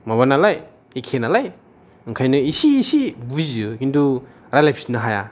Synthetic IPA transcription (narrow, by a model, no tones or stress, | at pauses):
maβanalaj | ikʰenalaj | ɯŋkʰajnɯisiːsibuzukindu | ɾajlajpʰisinɐɦaja